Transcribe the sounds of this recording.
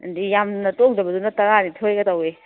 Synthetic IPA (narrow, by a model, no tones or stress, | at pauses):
dijamnɐtoŋdɐbɐdunɐtɐɾanitʰojɡɐtawe